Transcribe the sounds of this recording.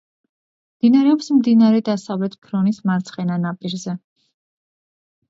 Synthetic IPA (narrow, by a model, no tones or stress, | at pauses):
md̪̥inaɾɛɔpsmd̪inaɾɛd̪asavlɛt̪ʰpʰɾɔnismaɾt̪sʰχɛnanapʼiɾzɛ